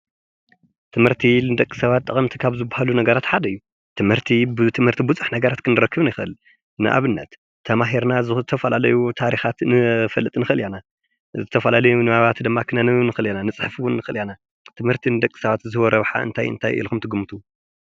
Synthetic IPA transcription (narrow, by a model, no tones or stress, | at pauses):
t̪ʰɨmhɨɾt̪ʰinɨd̪ɐkʼːi̥sɐβat̪ːʼɨχʼɐmt̪ʰikʰaβzɨbːahalunɐɡɐɾat̪ħad̪ɐjːu | t̪ʰɨmhɨɾt̪ʰibɨt̪ʰɨmhɨɾt̪ʰibuzʼɨħnɐɡɐɾat̪kʰɨnɨɾɐkːɨβnɪxɨʔɨl | nɨ̰ʔa̰βɨnːɐ̰t̪ʰː | ɐmaɦiɾnazɨt̪ʰɐfɐlalɐjut̪ʰaɾixat̪nɨfɐlːɨt̪ʼnɨxɨɨljana | zɨt̪ʰɐfɐlalɐjunɨaβat̪d̪ɨmːakʰɨnɐnɨnɨxɨljananɨt͡sʼɨħfwʊnːɨxɨljana | t̪ʰɨmhɨɾt̪ʰinɨd̪ɐkʼːi̥sɐβat̪zɨβɔɾɐβħa̰ʔɨ̰nt̪ʰajɨ̰nt̪ʰajʔḭlkumt̪ʰɨɡumɨt̪ʰu